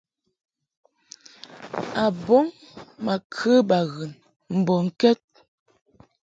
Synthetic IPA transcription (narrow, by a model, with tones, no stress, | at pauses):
a˨bɔ˦ŋma˨kʰə˦ba˨ɣɯ˨n | m̩˨bɔ˨ŋ̩˦kɛ˦t̚